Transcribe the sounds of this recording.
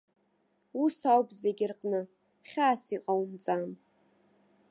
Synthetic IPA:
usawpʼzeɡʲɪrqʼnɨ | χʲaːsiqʼawumt͡sʼam

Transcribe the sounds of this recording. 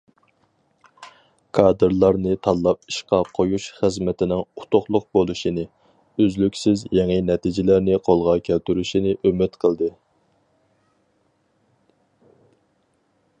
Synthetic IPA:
kʰɑːd̪ɨɾlˠɑɾnɨt̪ʰɑlˠːɑp̚i̥ʃqɑqʰojuʃχəzmɛt̪ʰɪnɪŋut̪ʰʊχlˠʊq̚bolˠuʃinɨ | øzlykʲsɪzjɛŋɨnɛt̪ʰid͡ʒɪlæɾnɪqʰolˠʁɑkʲʰælt̪yɾyʃinɪʔømɪt̪qʰəlˠd̪ɨ

